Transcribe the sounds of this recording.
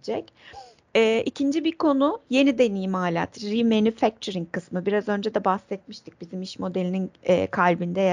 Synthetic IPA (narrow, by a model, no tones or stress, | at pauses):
d͡ʒɛc | ɛːʔicʰind͡ʒibikʰo̞nʊje̞nid̪enijimaːlʲa̰t̪ɾimenyfæk̚t̪ʰoɾiŋkʰɯsmɯbiɾazø̞nd͡ʒɛd̪ɛbahsɛt̪̚miʃt̪ʰi̥c̚bizimiʃmo̞d̪elʲininɛ̰ːkʰalʲbind̪ɛ